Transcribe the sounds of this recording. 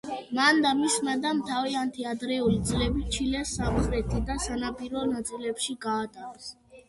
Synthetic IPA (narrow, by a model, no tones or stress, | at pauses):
mand̪amismad̪amt̪ʰaviant̪ʰiad̪ɾɛulid̪zlɛbit͡ʃʰilɛsːabzɾɛt̪ʰid̪asanapʼiɾɔnat̪sʼilɛpʃiɡaːt̪ʼaɾɛs